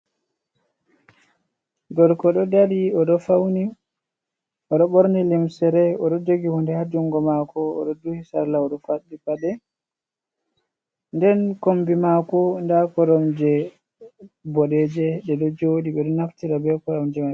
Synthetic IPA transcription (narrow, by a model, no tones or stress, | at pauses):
ɡɔɾkɔɗɔdaɾiɔɗɔfawni | ɔɗɔɓɔɾnɛlimsɛɾɛɔɗɔd͡ʒoɡihundɛhad͡ʒuŋɡɔmakɔ̰ːɗɔduhisa̰ɾlaɔɗɔfaɗːipaɗɛ | ndɛnkombimakɔndakɔɾɔmd͡ʒɛ | bɔɗɛd͡ʒɛɗɛɗɔd͡ʒoɗiɓɛɗɔnaftiɾabɛkɔɾɔmd͡ʒɛma